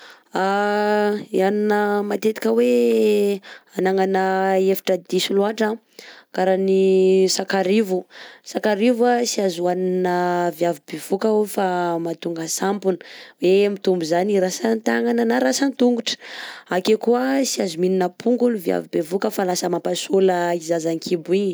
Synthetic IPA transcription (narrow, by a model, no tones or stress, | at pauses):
a | ianinəmat̪et̪i̥kʲəwe | anaŋanəefi̥ʈ͡ʂəd̪isuluaʈ͡ʂa | kaɾanisakaɾivusakaɾivuasiazuwaninəvjavibev̥ukaofamat̪uŋɡasampunə̥wemit̪umbuzaniɾasant̪aŋananaɾasant̪uŋɡuʈ͡ʂə̥akekuəsiazumininəpʰuŋɡuluvja̰vibevukəfalasəmapasoləizazaŋkʰibui